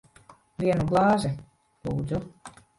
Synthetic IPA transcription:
vʲiɛnuɡlˠɑːʒɛ | lˠuːd̪zu

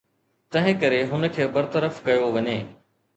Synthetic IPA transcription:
t̪ɐ̃ɦɪ̃kɐɾeɦʊnə̆kʰeːbɐɾt̪əɾəfkɐjoʋɐɲeː

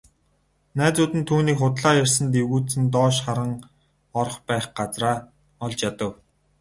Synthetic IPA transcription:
næːt͡sʊːt̪ɘ̆nt̪ʰuːniːkχʊt̪ɮaːjærʲsə̆nt̪̬ewɣuːt͡sɘ̆nt̪̬ɔːʃχaɾə̆ŋ | ɔr̆χpæːχɢat͡sraː | ɔɮt͡ɕjat̪ə̆w

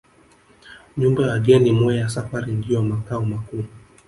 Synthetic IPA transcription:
ɲumbawaɡɛnimuɛjasafaɾinɡiɔmakaumakuː

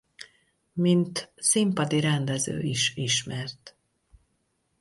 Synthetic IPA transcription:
mint̪simpɒd̪iɾɛnd̪ɛzø̰ːiʃiʃmɛrt̪

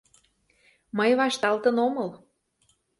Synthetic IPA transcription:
məjβɑʃt̪ɑlt̪ənomɤl

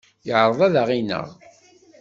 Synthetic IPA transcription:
jəʕɾˤəðˤæðaʁinə̰ʁ

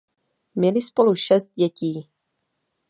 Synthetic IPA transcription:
mɛlɪspoluʃɛst̪̚ɟɛciː

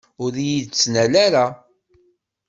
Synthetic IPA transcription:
ʊɾjid̪t͡sːnælæɾa

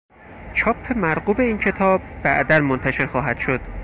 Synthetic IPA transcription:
t͡ʃʰɒːpʰːe̞mæɾɢuːbe̞iːncʰe̞t̪ʰɒːbːæ̰ʔd̪ænmont̪ʰæʃe̞ɾxɒːɦæd̪̥ʃo̞d̪̥

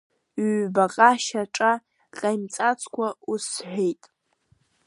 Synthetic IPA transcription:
ɥbaqʼaʃaʈ͡ʂʼa | qʼajmt͡sʼat͡sʰʼkʷʰausħʷᶣejtʼ

